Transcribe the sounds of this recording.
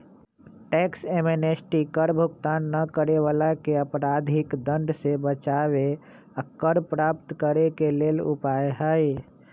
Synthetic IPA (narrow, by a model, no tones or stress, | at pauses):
ʈeːksemenesʈikəɾbʱʊɡt̪aːnːəkəɾeʋalakeəpɾaːd̪ʱɪkd̪ə̃ɳɖsebət͡ʃaːwe | əkːəɾpɾaːp̚t̪kəɾekeleːlʊ̰paeɦəj